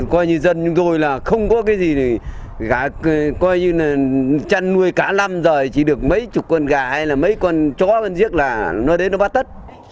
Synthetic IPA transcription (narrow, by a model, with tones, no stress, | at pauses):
kɔ˧jɲɨ˧zə˧nt͡ɕʊ˨˧˦ŋ͡mt̪o˧jlaː˨˩xə˧wŋ͡mkɔ˨˦kaː˨˦jzi˨˩i˨˩ | ɣaː˨˩kɔ˧jɲɨ˧laː˨˩t͡ɕa˧nːu˧əjkaː˧˩la˧mzəː˨˩jt͡ɕi˧˩ɗɨ˨˩ək̚mə˨˦jt͡ɕʊ˨˩t̚kɔ˧nɣaː˨˩ha˧jlaː˨˩mə˨˦jkɔ˧nt͡ɕɔ˨˦ə˧nzi˦˥ək̚laː˨˩nɔ˨˦ɗe˨˦nːɔ˨˦ɓaː˦˥t̚t̪ə˦˥t̚